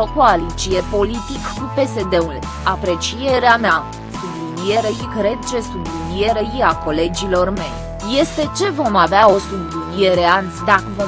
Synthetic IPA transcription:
əkoalit͡ʃije̞po̞lit̪ikkupe̞se̞d̪e̞ul | apɾe̞t͡ʃije̞ɾeama | sublinije̞ɾe̞ikɾe̞d̪̚t͡ʃe̞sublinie̞ɾeiako̞le̞d͡ʒilo̞rme̞j | je̞st̪e̞t͡ʃe̞vo̞maveao̞sublinie̞ɾeant̪sʲd̪akəvo

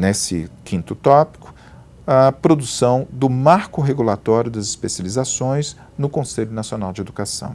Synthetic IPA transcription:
nesɪ̰kʰĩt̪ʊt̪ɔpi̥kʊ̥ | ɐpɾod̪usɐ̃w̃d̪ʊmaɾkʊɦeɡulat̪ɔɾjʊd̪ɐzɪspesjalizasõj̃z | nʊkõseʎʊnasionawd͡ʒɪed̪ukasɐ̰̃w̃

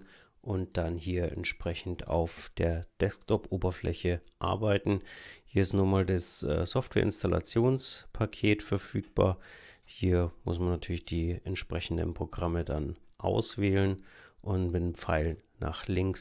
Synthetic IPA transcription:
ʔʊnt̚d̥anɦiːɐʔɛ̰ntʃpʁ̥ɛçn̩tʰa̰ʊfd̥eːɐd̥ɛsktʰɔpʔoːbɐflʔɛ̰çəʔa̰ɐbaɪtn̩hiːɐɪstnuːɐmaːldasʔɛ̰ːsɔftv̥ɛːɐʔɪnstalʔa̰t͡sjoːnspʰakʰeːtfɛɐfyːk̚b̥a̰ːɐ | hiːɐmʊ̰smanːatʰyːɐlɪçd̥iːɛntʃpʁ̥ɛçn̩də̰npʁ̥oɡʁamədanʔa̰ʊsv̥eːlənʔʊntmɪtːmp͡faɪlənːa̰ːχlɪŋks

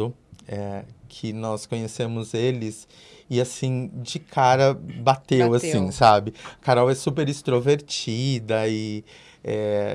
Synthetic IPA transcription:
ʊɛkʰɪnɔskõɲesẽmʊzelɪs | ɪasĩd͡ʒɪkʰaɾɐbat̪ewasĩsabɪkaɾawɛsupeɾist̪ɾoveɾt͡ʃid̪ɐɪ | ɛ

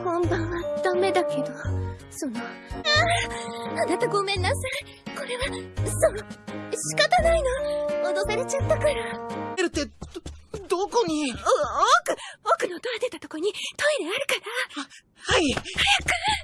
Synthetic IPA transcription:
hõnd̪ãɰ̃βad̪̥ame̞d̪ake̞d̪o̞ | sonoa | anat̪aɡo̞mẽ̞nːasai | ko̞ɾe̞βasonoɕi̥kat̪anaino̞mod̪osaɾe̞t͡ɕat̪ːakaɾaeɾɯ̟t̪ːe̞ | d̪oko̞ɲ̟iookɯ̟okɯ̟not̪oɾad̪et̪at̪okoɲ̟it̪o̞iɾeaɾɯ̟kaɾa | haihajakɯ̟

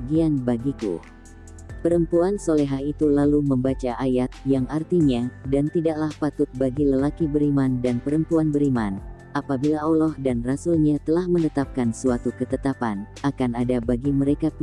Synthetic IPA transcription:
ɡianbaɡikṵ | pəɾəmpuansoleɦait̪ulaluməmbat͡ʃaʔajat̪̚jaŋʔart̪iɲadant̪idaʔlahpat̪ʊt̪̚baɡiləlakibəɾimandanpəɾəmpuanbəɾiman | ʔapabilaʔolɔhdanrasulɲat̪əlahmənət̪ap̚kansuat̪ukət̪ət̪apan | akanadabaɡiməɾekap

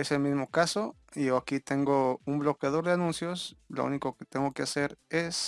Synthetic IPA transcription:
eselmizmo̞kaso̞ | ioakit̪e̞ŋɡo̞umblo̞kjað̞o̞ɾðeanũnsjo̞slo̰ṵniko̞ket̪eŋɡo̞kease̞ɾes

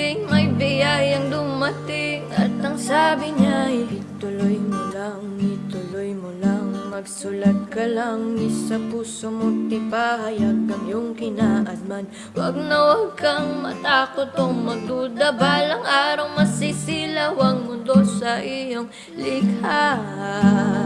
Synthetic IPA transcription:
ɪmɐjbɪjajɐŋd̪ʊmɐt̪ɪŋʔɐt̪ɐŋsaːbɪɲat̪ʊlojmolaŋɪt̪ʊlojmolaŋmɐɡsʊlat̪̚kɐlaŋɪsɐpuːsomot̪ɪpahɐjaɡkːɐŋjoŋkɪnaʔɐd̪̚man | wɐɡ̚nɐwɐɡkɐŋmɐ̰t̪aːkot̪oŋmɐd̪ud̪ɐbaːlɐŋʔaːɾɐwmɐsisilawɐŋmʊnd̪o̞sɐʔijoŋ | lɪka

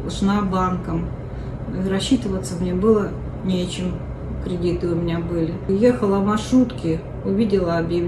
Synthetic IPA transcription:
ʐnabankəm | iɾɐɕːit̪ɨvət̪səmnʲebɨlˠə | nʲet͡ɕɪm | kɾʲɪdʲit̪ɨʊmʲɪnʲabɨlʲɪjexəlˠəmɐʂɾut̪kʲɪ | ʊvʲidʲɪlˠəɐbjɪ

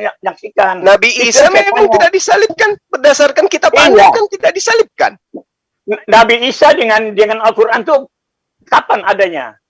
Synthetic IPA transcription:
aɲak̚sikannabisamemaŋt̪itdak̚disalɪp̚kanbərdasarkankit̪apand͡ʒakant̪idak̚disalɪp̚ka̰n | nnabiːsadəŋandəŋanalkuɾʔant̪u | kapanadaɲa̰

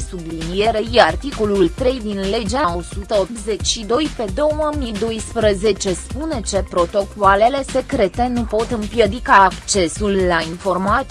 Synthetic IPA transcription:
sublinije̞ɾe̞jart̪iko̞lult̪ɾe̞jd̪inle̞d͡ʒeao̞sut̪əoppze̞t͡ʃʲʃid̪o̞jpe̞d̪o̞wəmid̪o̞jspɾəze̞t͡ʃe̞spune̞t͡ʃe̞pɾo̞t̪o̞koale̞le̞se̞kɾe̞t̪e̞nupo̞t̪ɨmpjed̪ikaːkt͡ʃe̞sulːainfo̞rma

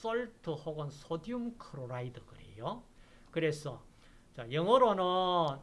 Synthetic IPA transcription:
s͈ʌɭtʰɯhoɡʌnsʰodiumkʰɯɾoɾaidɯkɯɾe̞̰jo | kɯɾe̞sʰʌ | t͡ɕajʌŋʌɾonɯn

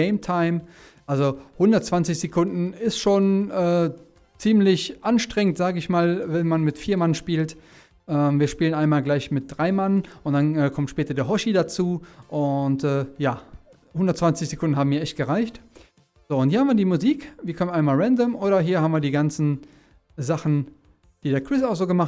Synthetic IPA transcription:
eɪmtʰaɪm | ʔalzohʊndɐtt͡sv̥ant͡sɪçz̥ekʰʊndn̩ɪstʃoːnʔɛː | t͡siːmlɪçʔanʃtʁ̥ɛŋəntz̥aːɡəɪçmaːlvɛnmanmɪtfiːɐmanʃpiːlt | ʔɛːmviːɐʃpiːlənaɪnmaːlɡlaɪçmɪt̚d̥ʁaɪmanʔʊntd̥anɛːkʰɔmtʃpɛːtɐdeːɐɦɔʃidat͡suːʔʊntʔɛːjaː | hʊndɐtt͡sv̥ant͡sɪçz̥ekʊndn̩haːbm̩miːɐʔɛçt̚ɡ̥əʁaɪçt | z̥oːʊntiːɐhamviːɐdiːmʊziːkviːɐkɔmənaɪnmaːlʁɛndəmʔoːɾɐɦiːɐhaːmviːɐdiːɡant͡sn̩ | zaχn̩ | d̥iːdeːɐkʰʁ̥ɪsaʊxz̥oːɡəmaχ

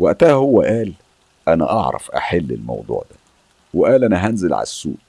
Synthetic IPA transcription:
wæʔt̪æhæhowːæʔæːl | ʔænæ̰ʔɑʕɾˤɑ̰fʔæħelːɪ̰lmɑ̰wd̪ˤṵːʕd̪æ | weʔæːlʔænæɦænzelʕa̰læsːṵːʔ

